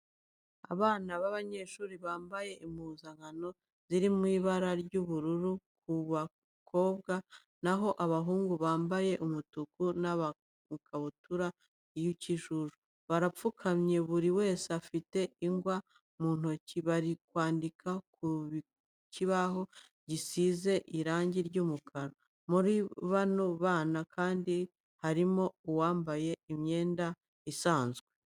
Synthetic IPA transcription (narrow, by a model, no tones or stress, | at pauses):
a̰βaːnaβaβaɲe̞ʃuːɾiβaːmbaje̞ʔimuzaŋano̞ | z̥iɾimŋiːβaɾaɾɟuβuɾuɾuk̚uβa | kʰo̞ːb̚ɡa | naɦo̞ʔaβaɦuːŋɡuβaːmbaje̞ʔumutukunaβa | kʰaβutuɾa | ijuciʃuʒu | βaɾap͡fukʰamɲe̞βuɾiwe̞ːseafite̞iŋɡwa | muːn̥hociβaɾikwaːndikakuβ | ciβaɦo̞ | ɟisize̞ʔiɾaːɲɟiɾɟuːmukʰaɾo | muɾiβanoβaːnakʰaːndi | haɾimo̞uwaːmbaje̞imɲe̞ːnda | isaːnzɡwe̞